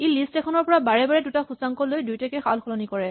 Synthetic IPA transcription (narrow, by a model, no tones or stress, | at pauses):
elistɛkʰɔnɔɹpɔɹabaɹɛbaɹɛdutaxusaŋkɔlojdujtakɛxa̰lxɔlɔnikɔɹɛ